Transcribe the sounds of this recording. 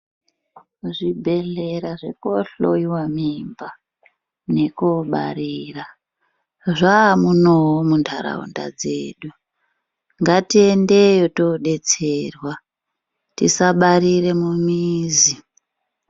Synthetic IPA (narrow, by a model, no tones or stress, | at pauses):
ʐibʱe̞ɮe̞ɾaʐe̞̰koɬo̰iwamimba | ne̞koɓa̰ɾiːra | ʐamunoɦomundʰʱaɾa̰ṵnda̰d͡zḛːɗu | ŋɡatiendejotoɗe̞t͡seːrwa | tisaɓaɾire̞mumiːzi